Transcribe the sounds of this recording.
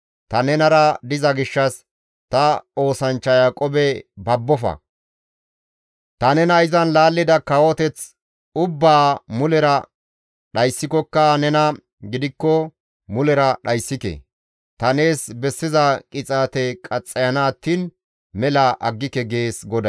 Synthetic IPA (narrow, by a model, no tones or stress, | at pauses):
t̪ɐnɛnɐɾɐd̪ɪzɐɡɪʃːɐs | t̪ɐo̞ːsɐnt͡ʃːɐjakʼɔbɛbɐbːɔfɐ̰ | t̪ɐnɛnɐɪzɐnlaːlːɪd̪ɐkɐwɔt̪ɛt͡s | ʊbːaːmʊlɛɾɐ | ɗɐjsːɪkɔkːɐnɛnɐ | ɡɪd̪ɪkːɔ | mʊlɛɾɐɗɐjsːɪkɛ̰ | t̪ɐne̞ːsbɛsːɪzɐkʼɪt͡sʼaːt̪ɛkʼɐt͡sʼːɐjɐnaːt̪ːiːn | mɛlɐʔɐɡːɪkɛɡeːsɡɔd̪ɐ